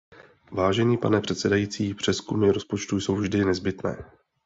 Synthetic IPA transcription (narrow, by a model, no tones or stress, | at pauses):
vaːʒɛɲiːpa̰nɛpr̥ɛt̪sɛdajit͡siːpr̝̥ɛskumɪɾo̞spo̞t͡ʃt̪ujso̞wvʒdɪnɛzbɪt̪nɛ̰ː